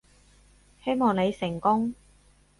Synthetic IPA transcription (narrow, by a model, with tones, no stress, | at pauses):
he˥jmɔː˨ŋne˨˧jsɪ˨˩ŋkʊ˥ŋ